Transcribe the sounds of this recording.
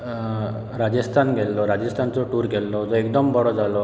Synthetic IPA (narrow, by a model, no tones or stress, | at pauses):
ɾad͡ʒest̪ʰanɡelːɔɾad͡ʒest̪ʰant͡sɔʈuɾɡelːɔd͡zɔekd̪ɔmbʱɔɽɔd͡zalɔ